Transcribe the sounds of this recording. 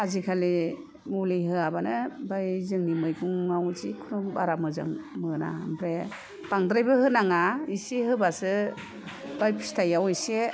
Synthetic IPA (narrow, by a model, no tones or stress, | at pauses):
azikʰali | muliɦɯabanɯbajzɯŋnimɯjkʰuŋːawzikʰunubaɾamɯza̰ŋmɯna̰mbɾe | b̥aŋdɾajbɯhɯnaŋaisiɦɯbasɯ | b̥ajpʰi̥stʰajawejse